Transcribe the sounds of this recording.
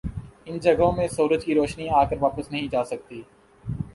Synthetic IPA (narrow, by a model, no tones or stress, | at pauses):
ɪnd͡ʒɐɡõmẽsuːɾəd͡ʒkiɾoːʃniaːkəɾʋaːpəsnɐɦĩd͡ʒaːsɐk̚t̪iː